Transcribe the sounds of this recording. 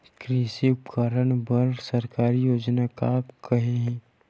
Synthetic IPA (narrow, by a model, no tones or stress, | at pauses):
kɾiːsiʊpkʰaːɾəɽ̃bɐɾsɐɾkaːɾijoːd͡ʒnakakɐɦeɦɛ̃ː